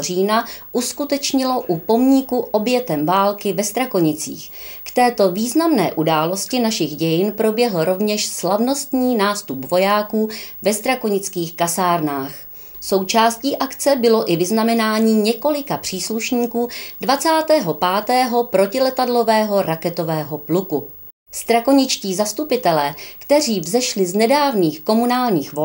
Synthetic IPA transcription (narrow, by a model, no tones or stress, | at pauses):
riːnaʔuskut̪ɛt͡ʃɲɪlo̞ʔupo̞mɲɪkuʔo̞bjɛt̪ɛmvaːlkɪvɛst̪ɾako̞ɲɪt͡sḭːx | kt̪ɛːt̪o̞viːznamnɛ̰ːʔudaːlo̞scɪnaʃɪɣɟɛjɪnpɾo̞bjɛɦlɾo̞vɲɛʃslavno̞st̪ɲiːnaːst̪upvo̞jaːkuːvɛst̪ɾakoɲɪt͡skiːxkasaːɾnaːx | so̞wt͡ʃaːsciːʔakt͡sɛbɪlo̞ʔɪvɪznamɛnaːɲiːɲɛko̞lɪkapr̝̥iːsluʃɲiːkuːdvat͡saːt̪ɛːɦo̞paːt̪ɛːɦo̞pɾo̞cɪlɛt̪adlo̞vɛːɦo̞ɾakɛt̪o̞vɛːɦo̞pluku | st̪ɾakoɲɪt͡ʃciːzast̪upɪt̪ɛlɛːkt̪ɛr̝iːvzɛʃlɪznɛdaːvniːxko̞munaːlɲiːxvo